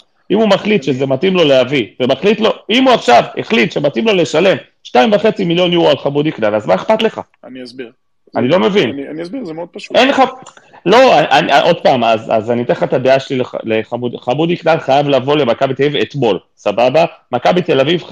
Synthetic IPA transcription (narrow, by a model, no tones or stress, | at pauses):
imumaχlit̪ʃezematimlo̞leavivemaχlit̪lo̞imuaχʃavḛχlit̪ʃe̞matimlo̞le̞ʃale̞m | ʃtaimvaχe̞t͡similjo̞njuʁalχabud̪iknalazmaeχpat̪le̞χa̰ | anisbʁ | anilo̞me̞vinnisbiʁzemeod̥̪pʃuenχa | lo̞aʔanaʔo̞d̪̚paːmaza̰zanit̪eχat̪ad̪eaʃelilea̰leχamudχabud̪iknalχajavlavo̞le̞makabit̪eavivet̪mo̞l | sababamakabit̪e̞laviv